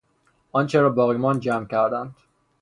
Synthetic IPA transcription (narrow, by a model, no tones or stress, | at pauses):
ʔɒːnt͡ʃʰeɾɒːbɒːɣimɒːnd͡ʒæːmcæɾd̪ænd̪̥